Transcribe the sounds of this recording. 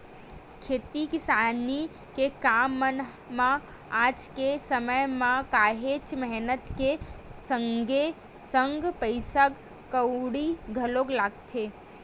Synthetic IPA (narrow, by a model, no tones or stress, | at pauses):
kʰeːt̪ikisani | kekamːən | mã | ad͡ʒkesəməjmãkaɦet͡ʃmɛɦnət̪kesə̃ŋɡe | səŋɡpəɪsaɡ | kəʊɽiɡʱəloɡlaɡt̪ʰe